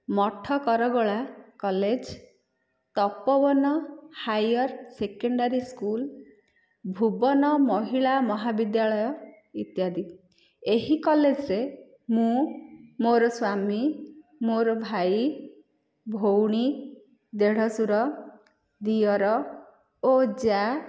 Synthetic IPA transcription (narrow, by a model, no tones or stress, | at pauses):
mɔʈʰɔkɔɾɔɡɔɭakɔled͡ʒ | t̪ɔpɔbɔnɔhajɔɾsekɔɳɖaɾiskul | bʱubɔnɔmɔɦiɭamɔɦabid̪jaɭɔjɔ | it̪jad̪i | eɦikɔled͡ʒɾe | mũmoɾɔswamimoɾɔbʱaj | bʱowɽ̃i | d̪eɽ̤ɔsuɾɔ | d̪iɔɾɔ | od͡ʒa